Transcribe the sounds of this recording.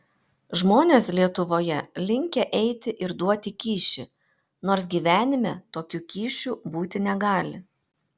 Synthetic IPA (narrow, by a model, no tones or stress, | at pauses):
ʒmoːnʲeːslʲiɛt̪ʊʋoːjɛlʲɪŋʲkʲɛʔɛɪt̪ʲɪʔɪɾd̪uɔt̪ʲɪkʲiːʃʲɪ̰ | noːɾsɡʲiːʋʲæːnʲɪmʲɛt̪oːkʲukʲiːʃʲuːbuːt̪ʲɪnʲɛɡɑːlʲɪ